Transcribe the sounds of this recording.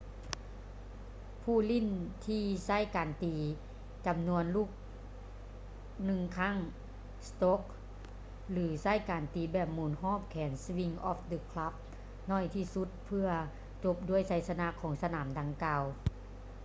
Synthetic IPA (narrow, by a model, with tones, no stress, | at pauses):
pʰuː˧˩li˧˥˩nt̪ʰiː˧sa˥˨jkaː˨˩nt̪iː˨ | t͡ɕa˨mnu˧ənluː˥˩k̚ | nɯ˧ŋkʰa˧˥˩ŋ | st̪o˦˥k̚ | lɯː˩˦sa˥˩˨jkaː˨˩nt̪iː˨˦bɛː˧˩p̚muː˨˩˦nɦɔː˥˨p̚kʰɛː˩˦nswi˧ŋʔɔː˧˦˥fd̪ɯ˧kʰla˧˦˥p̚ | nɔː˧˩˨jt̪ʰiː˧˩su˧˦˥t̪̚pʰɯ˧ɐ | t͡ɕo˧˦p̚du˧˩əjsa˧˥˦jsa˧na˧˥ʔkʰɔː˩˦ŋsa˧naː˩˦mda˧ŋkaː˧w